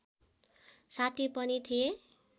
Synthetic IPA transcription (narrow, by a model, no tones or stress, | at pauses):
sat̪ʰipʌnit̪ʰije